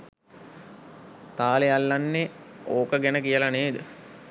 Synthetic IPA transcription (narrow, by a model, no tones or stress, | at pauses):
t̪aːlejalːanːeoːkəɡɛnəkijəlaneːd̪ə